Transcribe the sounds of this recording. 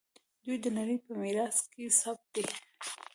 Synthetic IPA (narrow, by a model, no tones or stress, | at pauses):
d̪ujd̪ənaɽəjpəmeɾɑskesab̚t̪̚d̪e